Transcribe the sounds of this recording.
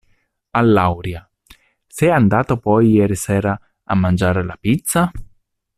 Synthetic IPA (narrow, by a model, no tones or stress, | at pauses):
alːawɾja | sɛand̪aːt̪opɔjːɛːɾisɛːɾa | a̰mːand͡ʒaːɾelapit̪sa